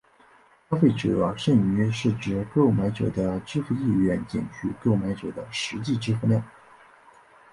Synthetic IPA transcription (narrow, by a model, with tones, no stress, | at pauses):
pa˥fe˥˩ɪʈ͡ʂɤ̰˨˩˧ʂə˥˩ny˧˥ʂɻ̩˥˩ʈ͡ʂɻ̩˧˥ko˥˩ʊma˧˥ɪʈ͡ʂɤ̰˨˩d̪ə˦ʈ͡ʂɻ̩˥fu˧i˥˩ɥɛ˧˥nt͡ɕjɛ̰˨˩nt͡ɕʰy˥˧kɤ˥˩ʊma˧˥ɪʈ͡ʂɤ˨˩d̪ə˦ʂɻ̩˧˥t͡ɕi˥˩ʈ͡ʂɻ̩˥fu˧ljɑ˥˩ʊ